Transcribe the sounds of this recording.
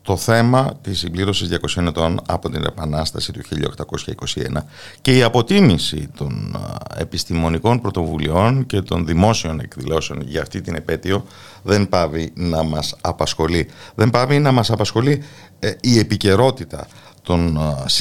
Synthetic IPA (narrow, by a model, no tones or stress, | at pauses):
t̪o̞θe̞mɐt̪isimbliɾo̞sizðʝɐko̞sio̞ne̞t̪o̞nɐ̰po̞t̪inepɐnɐst̪ɐsit̪uçiʎɐ̰oxt̪ɐko̞sçɐiko̞sie̞̰nɐ | ce̞iɐpo̞t̪imisḭt̪o̞̰ne̞̰pist̪imo̞niko̞npɾo̞t̪o̞vulio̞nce̞t̪o̞nðimo̞sio̞ne̞̰kðilo̞se̞o̞nʝɐːft̪it̪ine̞pe̞t̪io̞ | ðe̞mpɐvinɐmɐsɐpɐsxo̞liðe̞mpɐvinɐmɐsɐpɐsxo̞liː | e̞pice̞ɾo̞t̪it̪ɐ̰ | t̪o̞ns